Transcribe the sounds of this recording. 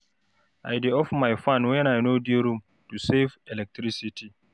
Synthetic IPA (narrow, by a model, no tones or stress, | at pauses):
ʔajdeɔfmajfãnwɛ̃najnodiɾum | tusevɛlɛk̚tɾisitʰi